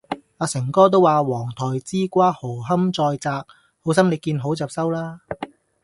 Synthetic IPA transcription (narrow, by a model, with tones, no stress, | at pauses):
aː˨˧sɪ˨˩ŋkɔː˥t̪̬o˥waː˨wɔː˨˩ŋt̪ʰɔː˨˩jt͡siː˥kʷaː˥ho˨˩ɦɐ˥mt͡sɔː˧jt͡saː˧k̚ | ho˨˥ws̬ɐ˥mne˨˧jkiː˧nɦo˨˥wt͡sɐː˨p̚sɐ˥wlaː˥